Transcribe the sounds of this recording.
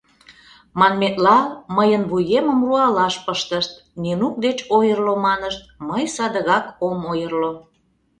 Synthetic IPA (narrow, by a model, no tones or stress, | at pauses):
mɑnmet̪lɑlməjənβujeməmruɑlɑʃpəʃt̪əʃt̪̚ninuk̚d̪et͡ɕojərlomɑnəʃt̪̚məjsɑd̪əɣɑkomojərlo